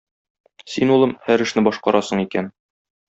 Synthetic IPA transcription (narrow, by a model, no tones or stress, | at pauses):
sinulˠɤmhæɾɘ̆ʃnɘbɒʃqɑɾɑsɤɴikæn